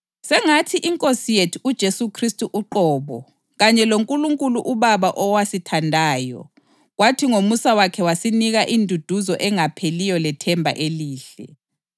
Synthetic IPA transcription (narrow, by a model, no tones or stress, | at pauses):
sɛŋatʰiʔiŋkʼosijetʰuud̥ʒ̥ʱesukʰristʼuʔuǃɔːβɔ | ɣaɲɛloŋkʼuluŋkʼuluʔuβaβaʔɔwasitʰandʱaːjɔ̰ | ɣwatʰiŋomusawakʰɛwasiniɣaʔindʱud̥ʱuzɔʔɛŋapʰelijɔlɛtʰɛmbʱa̰ʔeliːɬɛ